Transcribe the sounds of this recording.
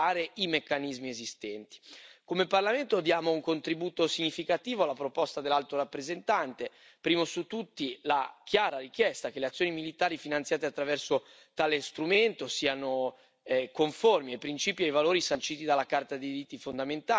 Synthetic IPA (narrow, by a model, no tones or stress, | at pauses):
aːɾeimekːanizmiezist̪ɛnt̪i̥komeparlament̪oad̪jaːmouŋkont̪ɾibuːt̪osiɲːifikat̪iːvoalːapɾopɔst̪ad̪elːalt̪oɾapːɾezent̪ant̪e | pɾiːmosut̪ːut̪ːilak̟jaːɾaɾik̟jɛst̪akeleat̪sːjoːnimilit̪aːɾifinant̪jaːt̪eat̪ːɾavɛrso | t̪aːlest̪ɾument̪osiːano | koɱformiepɾint͡ʃiːpiajvaloːɾisant͡ʃiːt̪id̪alːakart̪ad̪iiɾit̪ːifond̪ament̪aː